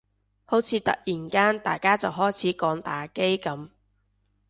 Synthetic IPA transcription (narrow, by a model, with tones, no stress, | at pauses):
ho˨˥wt͡sʰiː˨˧˥t̪ɐ̰˨k̚jiː˨˩nkaː˥nt̪a̰ː˨jkaː˥t͡sɐ˨˩wɦɔː˥jt͡sʰiː˨˥kɔː˨˧ŋt̪aː˨ke˥jkɐ˨˥m